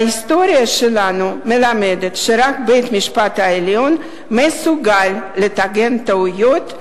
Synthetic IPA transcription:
ist̪oɾjaʃelanumelamed̪et̪ʃeɾakbejt̪miʃpat̪haeljon | mesuɡalːet̪aɡent̪aujot̪

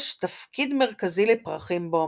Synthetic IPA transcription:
ʃt̪afkid̪meʁkazilepʁaχimbo

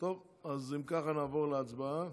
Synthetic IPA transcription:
t̪ov | azimkaχanaːvɔʁləat͡sbaa

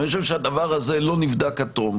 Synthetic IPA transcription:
joʃ̬evʃead̪avaʁazelo̞nivd̪akat̪om

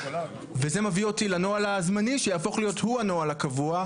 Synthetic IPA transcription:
ve̞ze̞mavio̞tilanoalazmaniʃejaːfo̞χlijo̞thuano̞alakavua

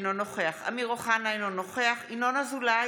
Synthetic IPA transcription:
nonoχeaχa̰miʁoχanajnonoχeaχinonazula

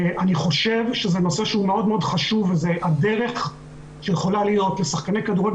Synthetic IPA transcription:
ʔaniχo̞ʃevʃezeno̞se̞ʃehumeo̞dmeodχaʃuvezeʔade̞ʁe̞χ | ʃejeχo̞lalijo̞tlesaχkanekaduʁeɡ

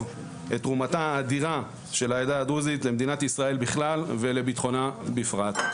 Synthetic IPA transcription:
v | etːʁumataːd̪iʁa | ʃe̞laed̪aːd̪uzitle̞md̪inat̪isʁae̞lbiχlalve̞le̞bit̪χo̞nabifʁat̪

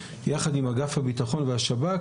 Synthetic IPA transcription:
jaχadimhaɡafhabitaχo̞nvehaʃaba

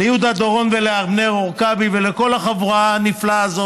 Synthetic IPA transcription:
ejud̪ad̪oʁo̞nveleaʁbneʁoʁkabiveleko̞laχavuʁaniflaːzo

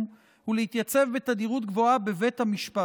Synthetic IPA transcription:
m | hulehit̪jat͡se̞vbe̞t̪ad̪iʁut̪̚ɡvo̞abe̞ve̞t̪hamiʃpa

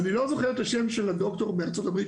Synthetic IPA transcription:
nilo̞zo̞χeʁet̪aʃemʃelado̞kt̪o̞ʁbeaʁt͡so̞tabʁi

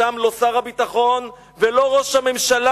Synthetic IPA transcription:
amlo̞saʁhabit̪aχo̞n | velo̞ʁoʃhame̞mʃala

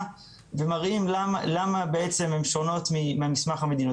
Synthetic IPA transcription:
vemaʁimlaalamabeet͡se̞mhe̞mʃono̞t̪mimamismaχhame̞d̪ino

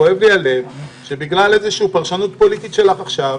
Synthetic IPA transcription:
oe̞vliale̞vʃe̞biɡlalezeʃiupaʁʃanut̪̚po̞lit̪it̪ʃe̞laχaχʃav

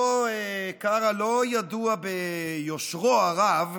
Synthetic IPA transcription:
kaʁalojad̪uabejoʃʁoaʁav

